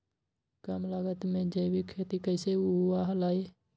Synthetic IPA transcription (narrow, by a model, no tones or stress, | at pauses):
kamlaɡət̪mẽd͡ʒəjbikʰet̪ikəɪseuaɦəlai